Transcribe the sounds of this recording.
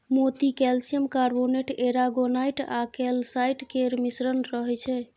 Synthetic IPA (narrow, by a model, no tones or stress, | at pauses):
mot̪ikɛlsijəmkaɾboneʈeɾaɡonajʈa̰kɛlsajʈkeɾmisɾənɾəɦɛt͡ʃʰɛ